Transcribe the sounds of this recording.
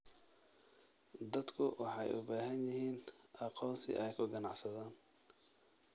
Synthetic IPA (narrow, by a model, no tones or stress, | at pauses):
d̪ɐd̪kʰʊwʔɑħɑjʔʊ̰baːɦɐnjɪɦiːnʔɑqɔːnsʰɪ̰ʔɛjkʰʊɡɐnɑʕsɐðaːn